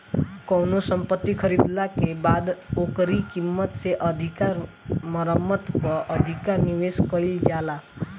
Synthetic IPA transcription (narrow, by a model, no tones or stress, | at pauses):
kɔwnosəmpət̪ːikʰʌɾid̪lakebad̪okɾikimːət̪seʔʌd̪ʱikaɾ | mʌɾəmːət̪pɔʔəd̪ʱikaɾniʋeskɔild͡ʒjala